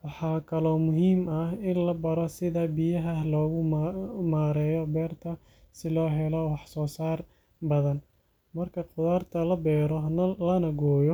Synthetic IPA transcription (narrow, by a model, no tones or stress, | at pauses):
wɑħɑːkʰɐlɔːmʊɦiːmɐhɪnlɐbɐɾɔsɪðɐbijɐɦɐlɔːɣʊmaːɾɛːjɔbɛːrt̪ʰɐ | sɪlɔːɦɛlɔwɑħsɔːsaːr | bɐðɐn | mɐrkʰɐqʊðaːrt̪ʰɐlɐbɛːɾɔnɐlɐnɐɡɔːjɔ